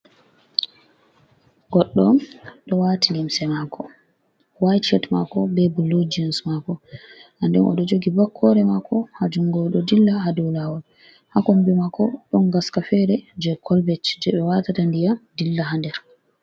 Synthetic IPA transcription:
ɡɔɗːɔɗɔwatilimsɛmakʰɔ | wajt͡ʃɛtma̰kɔbɛbulːud͡ʒiɔnsmakɔʔandɛnʔɔ̰ɗɔd͡ʒoɡibakʰːɔɾɛmakʰɔhad͡ʒuŋɡɔɗɔdilːaɦaduwlawɔn | hakɔmbimakɔɗɔnɡaskafɛɾɛd͡ʒɛkʰɔlbɛt͡ʃd͡ʒɛɓɛwatatandijadilːaɦandɛɾ

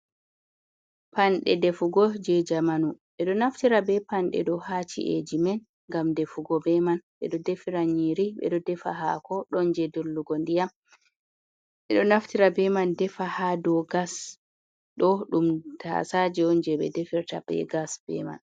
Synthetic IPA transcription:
panɗɛdɛfuɡɔd͡ʒɛd͡ʒamanuɓɛɗɔnaftiɾabɛpanɗɛ̰ɗɔhat͡ʃḭʔḛd͡ʒimɛn | ŋɡamdɛfuɡɔbɛmanɓɛ̰ɗɔdefiɾaɲiɾiɓɛ̰ɗɔdɛfa̰ɦa̰kɔɗɔnd͡ʒɛdolːuɡɔndija | ɓɛɗɔnaftiɾabɛmandɛfahadɔɡas | ɗɔɗumtʰa̰sad͡ʒɛɔnd͡ʒɛɓɛ̰defiɾtabɛ̰ɡasb̥ɛ̰ma̰n

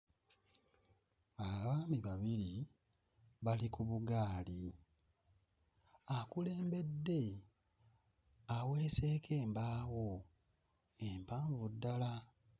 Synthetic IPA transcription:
aβaβaːmiβaβiɾi | βalikuβuɡaːli | akule̞ːmbe̞dːe̞ | awe̞ːse̞ːkʰe̞ːmbaːwo | empaːɱvudːala

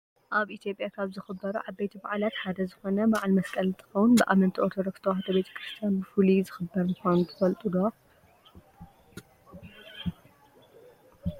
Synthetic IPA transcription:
ʔaβʔit̪ʰjo̞pʼjakʰaβzɨxɨbːɐɾuʕaβbet̪ʰiba̰ʕlat̪ħad̪ɐzɨxo̞nɐbaʕalmɐskʼɐlɨnt̪ʰɨ̥xɐwunbɨʔamɐnt̪ʰiʔoɾt̪ʰod̪okst̪ʰowaat̪ʰɐbe̞t̪ʰɐ̥kʰɾɨst̪ʰijanbɨfulizɨxɨbːɐɾmɨxʷanut̪ʰɨfɐlt̪ʼud̪o

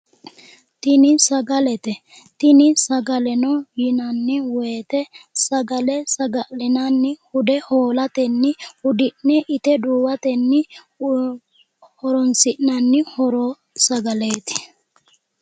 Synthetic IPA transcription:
t̪ɪnɪsɐɡɐlɛt̪ɛ | t̪ɪnɪsɐɡɐlɛnɔjɪnɐnːɪweːt̪ɛsɐɡɐlɛsɐɡɐʔlɛnɐnːɪhʊd̪ɛhoːlɐt̪ɛnːɪhʊd̪ɪʔnnɛʔɪt̪ɛd̪uːwɐt̪ɛnːɪ | hɔɾɔnsɪʔnɐnːɪhɔɾoː | sɐɡɐleːt̪ɪ̥

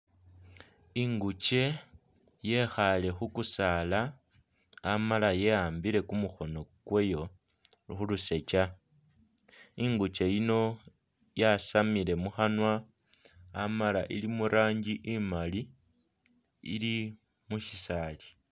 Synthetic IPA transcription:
iŋɡut͡ʃe̞ | je̞xale̞xukusalaː | malaje̞aːmbiɾe̞kumuxo̞no̞kwejo̞ | xuluse̞t͡ʃa | iŋɡut͡ʃe̞jino̞ | jasamile̞muxanwa | amalaʔilimuɾaːɲɟiʔimali | ḭli | muʃisaːli

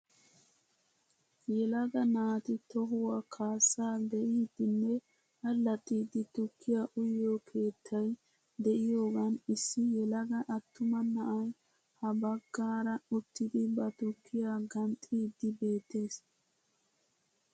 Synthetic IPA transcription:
jɛlɐɡɐnaːt̪ɪt̪ɔɦʊwakʰaːsːaːd̪ɛʔiːd̪ːɪnːɛ | hɐlːɐt̪ʼːiːd̪ːɪt̪ʊkʰːɪjaʔʊjːokʰe̞ːt̪ʰːɐj | d̪ɛʔɪjoːɡɐnɪsːɪjɛlɐɡɐʔɐt̪ːʊmɐnɐʔɐj | hɐbɐɡ̥ːaːɾɐʊt̪ːɪd̪ɪbɐt̪ʊkʰːɪjaːɡɐnt̪ʼːiːd̪ːɪbe̞ːt̪ːe̞ːs

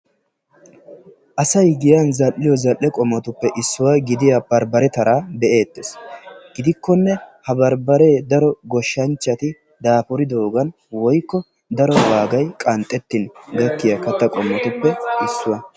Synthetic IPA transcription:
ʔɐsɐjɡɪjɐnzɐlːɪjɔzɐlːɛkʼɔmːɐt̪ʊpːɛʔɪsːʊwaɡɪd̪ɪjabɐɾbɐɾɛt̪ɐɾaːbɛʔe̞ːt̪ːesɡ̥ɪd̪ɪkːɔnːɛhɐbɐɾbɐɾeːd̪ɐɾɔɡɔʃːɐnt͡ʃːɐt̪ɪ | d̪aːpʊɾɪd̪o̞ːɡɐn | wɔjkːɔ | d̪ɐɾɔwaːɡɐjkʼɐnt̪ʼːɛt̪ːɪnɡɐkːɪjɐkɐt̪ːɐkʼɔmːɔt̪ʊpːɛɪsːʊwɐ

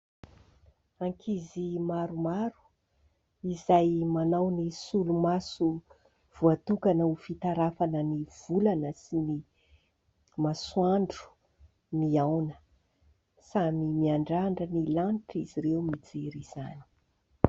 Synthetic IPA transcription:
aŋkʰizimaɾumaɾu̥ | izajmanawnisulumasu | v̥uat̪ukanəufit̪aɾafanəniv̥ulanəsini | maswaɳɖ͡ʐu̥ | miawnə̥ | samimiaɳɖ͡ʐaɳɖ͡ʐənilaniʈ͡ʂiziɾewmid͡zeɾiz̥ani̥

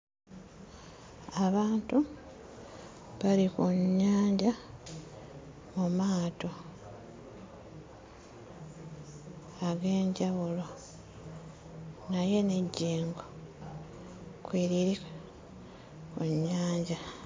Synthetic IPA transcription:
aβaːntu | βalikuɲːaːɲɟa | mumaːto̞ | aɡe̞ːɲɟaβulo | naje̞ne̞ɟːeːŋɡo | kweːɾiɾi | kuɲːaːɲɟa

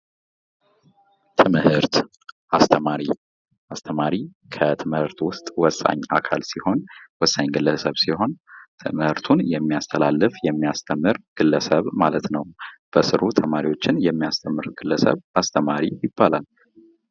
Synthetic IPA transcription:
t̪ʰɨmhɨɾt̪ | ʔast̪ʰəmaɾi | ʔast̪ʰəmaɾi | kʰət̪ʰɨmhɨɾt̪wʊst̪ʼwɔsʼa̰ɲːʔa̰kʰa̰lsiho̞nwɔsːaɲɡɨlːəsəβsiho̞nt̪ʰɨmhɨɾt̪ʰunjɛmːiast̪ʰəlalːɨfjɛmːijast̪ʰəmːɨɾɡ̥ɨlːəsəβmalət̪nəwb̥əsɨɾut̪ʰəmaɾiwo̞t͡ʃːɪnjɛmːiast̪ʰəmːɨɾɡ̥ɨlːəsə̰βʔast̪ʰəmaɾijɪbːalal

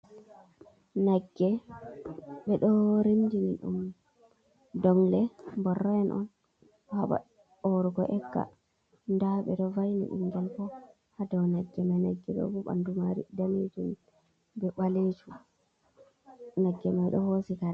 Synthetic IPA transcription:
naɡːɛ | ɓɛɗɔɾindiniɗṵm | dɔŋlɛbɔrːaɛnʔɔ̰n | haɓa̰ | ɔɾuɡɔʔɛkːa̰ | ndaɓɛɗɔvajnḭɗṵmɡɛlpɔ | hadawnaɡːɛmajnaɡːɛɗɔ̰buɓa̰ndumaɾidanitum | bɛɓalet͡ʃu | naɡːɛmajɗɔhosikaɾa

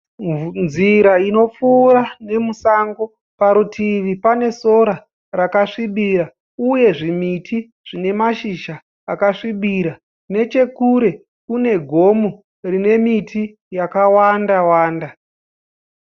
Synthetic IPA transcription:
nziɾaino̞p͡fuːɾane̞musaŋɡo̞ | paɾutʰiʋipane̞so̞ɾa | rakaʂiɓiɾa | uje̞ʐimitʰi | ʐ̥ine̞maʃiʃaː | kaʂiɓiɾa | ne̞t͡ʃe̞kuɾe̞ | kune̞ɡʱo̞mu | rine̞mitʰi | jakawandawaːnda

